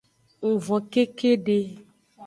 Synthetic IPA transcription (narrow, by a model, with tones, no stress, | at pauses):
ŋũ˨vɔ̃˨ke˦ke˦ɖe˦